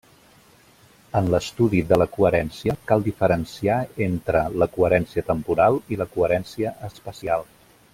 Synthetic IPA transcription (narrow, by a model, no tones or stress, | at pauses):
ənləst̪uðiðələkuəɾɛnsiəkalˠd̪ifəɾənsiaent̪ɾələkuəɾɛnsiət̪əmpuɾalˠiləkuəɾɛnsiəʔəspəsialˠ